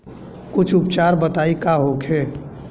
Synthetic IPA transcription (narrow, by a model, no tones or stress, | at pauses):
kʊt͡ʃʰʊpt͡ʃaːɾbət̪aːikaːɦoːkʰeː